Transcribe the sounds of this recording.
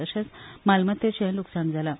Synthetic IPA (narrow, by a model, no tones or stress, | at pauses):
əɕasmalmət̪et͡ɕənluksand͡zʱala